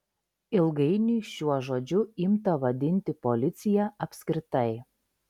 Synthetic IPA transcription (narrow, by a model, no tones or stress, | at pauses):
ɪlˠɡɐɪnʲiːʃʲuɔʒoːd͡ʒʲʊɪmt̪ɐʋɐd̪ʲɪnʲt̪ʲɪpɔlʲɪt̪sʲɪjɛɐpʲsʲkʲɾʲɪt̪ɐɪ